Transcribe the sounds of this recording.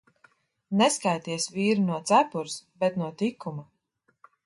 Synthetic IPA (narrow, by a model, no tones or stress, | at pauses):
nɛskajt̪iɛsviːɾunuɔt̪sæpuɾsbɛt̪nuɔt̪ikːuma